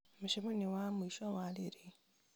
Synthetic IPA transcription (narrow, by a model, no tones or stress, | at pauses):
muʃiβonewamuiʃawaliɾi